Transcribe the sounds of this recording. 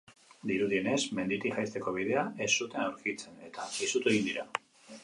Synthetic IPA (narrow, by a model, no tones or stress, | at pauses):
d̪iɾuðie̞ne̞sme̞nd̪it̪iʝajst̪e̞ko̞β̞ið̞e̞aʔe̞sːut̪e̞nawɾkit͡se̞ne̞t̪aisut̪ue̞ɣind̪iɾa